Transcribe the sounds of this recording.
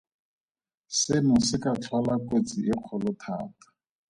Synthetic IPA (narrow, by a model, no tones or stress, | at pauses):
sɪnʊsɪkat͡ɬʰwalakot͡siʔɪq͡χʰɔlʊtʰa̰ːtḁ